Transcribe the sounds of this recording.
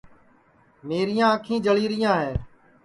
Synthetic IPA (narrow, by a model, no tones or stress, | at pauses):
meːɾɪjãːəkʰĩːd͡ʒəliːɾɪjãːɦeː